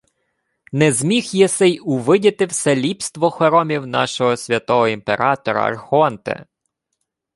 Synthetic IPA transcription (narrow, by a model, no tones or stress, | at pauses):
nɛzʲmʲixjɛsɛjʊʋɪdʲɐt̪ɪwsɛlʲipst̪ʋɔxɔɾɔmʲiwnɑ̰ʃɔɦɔsʲʋʲɐt̪ɔɦɔimpeɾɑt̪ɔɾɐ̰ɐ̰rxɔnt̪ɛ̰